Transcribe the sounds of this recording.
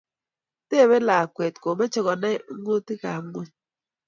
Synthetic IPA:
te˦˨be˦la˨kwɛ˨tko˨mɛ˦t͡ʃɔ˦ɣɔ˨nɛ˦o˦ti˦ka˨˦ŋwo˦ɲ

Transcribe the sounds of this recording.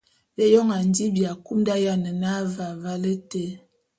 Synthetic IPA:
be˦jɔ˦ŋa˨n˦di˦bja˨ku˦mda˦ja˦nə˨na˦va˨va˦lə˦te˦

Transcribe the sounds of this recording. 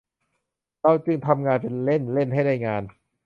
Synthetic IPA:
t̪a˥˩t͡ɕɯ˧˩ŋt̪ʰa˧mŋaː˧npe˧nle˥˩nle˥˩nɦa˥˩jda˥˩jŋaː˧n

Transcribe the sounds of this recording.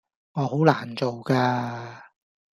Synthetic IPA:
ŋɔː˨˧ɦo˨˥wlaː˨˩nt͡so˨wkaː˧

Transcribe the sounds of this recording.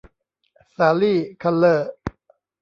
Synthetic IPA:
saː˧liː˥˩kʰa˧lːɤː˥˩

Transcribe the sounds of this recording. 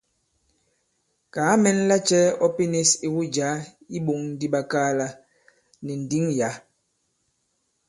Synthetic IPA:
kaː˨˦mɛ˦n˦la˦t͡ʃɛ˦ɔ˦pi˦ne˦si˨wu˦d͡ʒa˨˦ | i˦ɓo˨ŋn̩˦di˦ɓa˦kaː˦la˦ | nɛ˨n̩˨di˦ŋja˨˦

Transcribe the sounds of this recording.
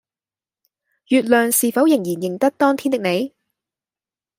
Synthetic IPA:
jyː˨˧t̚lœː˨˩ŋsiː˨˩fɐ˨˥wjɪ˨˩ŋjiː˨˩njɪ˨˩ŋt̪ɐ˥k̚t̪ɔː˥ŋt̪ʰiː˥nt̪ɪ˨k̚ne˨˧j

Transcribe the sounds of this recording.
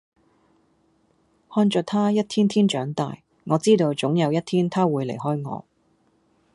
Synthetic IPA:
hɔː˥nt͡ʃœː˧t̪ʰaː˥jɐ˥t̚t̪ʰiː˥nt̪ʰiː˥nt͡ʃœː˨˥ŋt̪a̰ː˨j | ŋɔː˨˧t͡siː˥t̪o˧wt͡sʊ˨˥ŋjɐ˨˧wjɐ˥t̪ʰiː˥nt̪ʰaː˥wuː˨˧jlḛ˨˩jɦɔː˥jŋɔ̰ː˨˧

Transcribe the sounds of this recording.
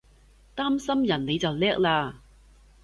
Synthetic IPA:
t̪aː˥msɐ˥mjɐ˨˩nle˨˧jt͡sɐ˨wlɛː˥k̚laː˧

